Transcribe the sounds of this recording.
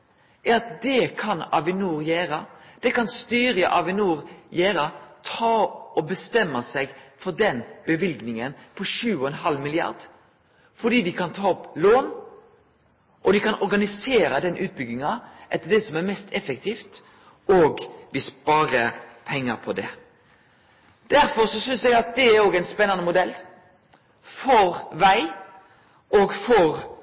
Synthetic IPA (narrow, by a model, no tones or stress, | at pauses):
ɑɑt̪d̪ɛkʰɑnɑ̰ʋɪnuːɾjæːɾɑd̪̥ɛkɑnst̪yːɾəʔɑʋɪnuːɾjæːɾɑt̪ʰɑːɔbəst̪ɛmːɑsɛɡfɔd̪ɛnb̥əʋɪlɡnɪŋənpʰɔʃʉːɔɛnɦɑlmɪlɪɑ̰ɾd̪ | fɔɖ̪iːd̪ɪkʰɑnt̪ʰɑːɔploːn | ʔɔd̪ɪkɑnɔɾɡɑnɪseːɾəd̪ɛnʔʉːt̪̚bʏɡnɪŋɑʔɛt̪ːəɖ̪ɛsɔmæɾmɛst̪ɛfɛkt̪ʰiːft̪ | oːɡʋɪspɑːɾəpʰɛŋːəpʰɔd̪ɛ | d̪̥æɾfɔɾsɔsʏnsɛɡɑt̪̚d̪ɛæɾoːɡɛɪnspɛnːɑnəmʊd̪ɛlː | fɔɾʋæɪ | ʔoːɡfɔɾ